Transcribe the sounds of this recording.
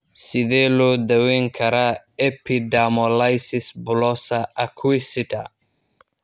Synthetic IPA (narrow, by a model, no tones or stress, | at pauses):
siðelud̪awiŋkʰaɾa | epidamolajsisbulosaakʰwisit̪a̰